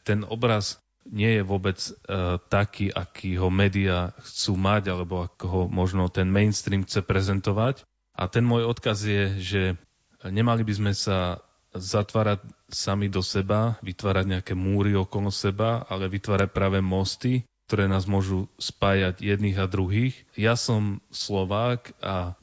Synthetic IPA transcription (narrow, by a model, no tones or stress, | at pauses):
t̪ɛnɔ̰bɾaz | ɲɪɛjɛʋʊɔbɛt͡st̪akiːʔa̰kiːɦɔmɛːd̪iaxt͡suːmaɟalɛbɔakɦɔmɔʒnɔt̪ɛnmɛjnst̪ɾiːmxt͡sɛpɾɛzɛnt̪ɔʋac | ʔa̰t̪ɛnmʊɔjɔt̪kazjɛʒɛ | ɲɛmalibizmɛsa | zat̪ʋaːɾac | samid̪ɔsɛbaʋit̪ʋaːɾaɟɲɛakɛːmuːɾiɔkɔlɔsɛbaalɛʋit̪ʋaːɾac̚pɾaːʋɛmɔst̪ik̚t̪ɔɾɛːnaːzmʊɔʒuspaːjaɟjɛd̪niːɣad̪ɾuɦiːxjasɔmslɔʋaːka